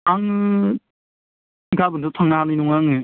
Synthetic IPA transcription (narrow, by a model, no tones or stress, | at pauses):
aŋɯ | ɡabɯndɯtʰaŋnaɦanɯjnuŋaŋɯ